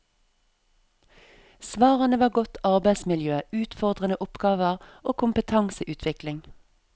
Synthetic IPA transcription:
sʋɑːʁənəʋɑːɡɔt̪ɑʁbæɪsmɪljøːʉːt̪fɔʁd̪ʁənəʔʊpɡ̥ɑːʋəʁoːkʰʊmpət̪ʰɑŋsəʔʉːt̪ʰʋɪklɪŋ

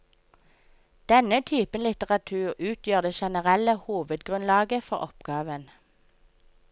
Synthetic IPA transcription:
d̪̥ɛnət̪ʰyːpənlɪt̪əʁɑt̪ʰʉːʁʉːt̪ʰjøːʁd̪eːʃɛnəʁɛləhuːʋəd̪ɡʁʉnlɑːɡəfɔʁɔpɡɑːʋən

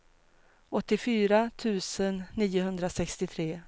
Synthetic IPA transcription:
ɔt̪ːɪfyːɾat̪ʰʉ̟ːsənːiːʊɦɵnd̪ɾasɛkst̪ɪt̪ʰɾeː

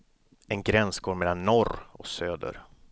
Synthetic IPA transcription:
ɛnɡɾɛnsɡoːɾmɛlːanːɔɾɔksøːd̪ə̰ɾ

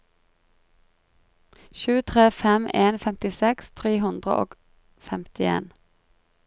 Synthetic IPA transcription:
ʃʉːt̪ʰʁeːfɛmeːnfɛmt̪ɪsɛkst̪ʰʁeːhʉnd̪ʁə̰ʔo̰ːɡ̥ | fɛmt̪ɪḛːn

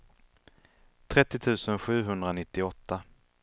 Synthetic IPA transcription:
t̪ʰɾɛt̪ːɪt̪ʰʉ̟ːsənɧʉ̟ːɦɵnd̪ɾanɪt̪ːɪɔt̪ːa

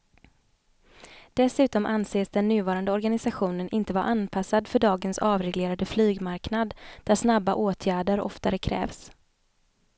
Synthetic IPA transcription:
d̪̥ɛsʉ̟ːt̪ɔmʔanseːsd̪ɛnːʉ̟ːvɑːɾand̪əɔɾɡanɪsaɧuːnənʔɪnt̪əvaɾʔanpʰasːad̪fœɖɑːɡənsɑːvɾɛɡleːɾad̪əflyːɡmaɾknad̪d̪̥æʂnabːaʔoːt̪ʰjæːɖəɾɔ̰ft̪aɾəkʰɾɛ̰ːvs

